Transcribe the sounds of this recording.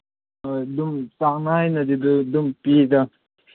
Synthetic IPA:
d̪umsanaːjnɐd̪id̪d̪umpid̪a

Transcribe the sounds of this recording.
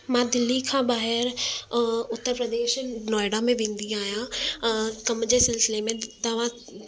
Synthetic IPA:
mãːd̪ɪlːikʰãːbaːɦɪɾ | ʊt̪ːəɾpɾəd̪eːʃnɔːɪɽamẽʋẽːn̆d̪iaːɦijã | kɐmd͡ʑeːsɪlsɪlemẽt̪ɐʋ̤ã

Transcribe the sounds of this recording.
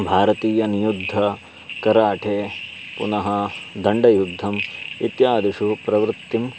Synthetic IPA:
bʱaːɾɐt̪iːjɐnijud̪ʱːɐ | kɐɾaːʈʰeːpunɐɦɐd̪ɐɳɖɐjud̪ʱːɐmit̪jaːd̪iʂupɾɐʋɾut̪ːim

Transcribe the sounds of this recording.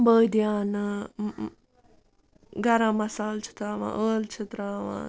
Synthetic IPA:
bəːd̪jaːnɨ | ɡɐɾãːmɐsaːlt͡ʃʰi̥t̪ɾaːʋã̰ːʔəːlt͡ʃʰit̪ɾaːʋã̰ː

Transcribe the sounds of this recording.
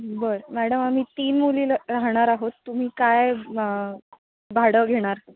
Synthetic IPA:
bəɾmæɽəmam̤iːt̪iːnmuliːlɾaɦɽ̃aɾaɦot̪ːum̤iːkaj | bʱaɽəɡʱeɽ̃aɾ

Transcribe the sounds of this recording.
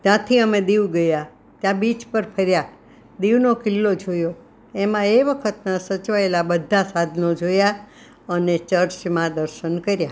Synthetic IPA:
t̪jãt̪ʰiəmẽd̪iʋɡəja | t̪jãbit͡ʃpəɾpʰəɾja | d̪iʋnokɪlːod͡ʒʱojo | emãeʋəkʰət̪nasət͡ʃʋaelabəd̪ʱːasad̪ʱnod͡ʒoja | ənet͡ʃəɾt͡ʃmãd̪əɾʃənkəɾja

